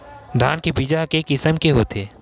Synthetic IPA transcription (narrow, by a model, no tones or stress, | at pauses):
d̪ʱaːnkebid͡ʒaɦkeːkɪsəmkeɦoːt̪eː